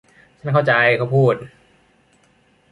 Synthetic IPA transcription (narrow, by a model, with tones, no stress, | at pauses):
t͡ɕʰa˥˩nkʰa˥˩wt͡ɕa˧jkʰa˥˩wpʰuː˥˩t̪̚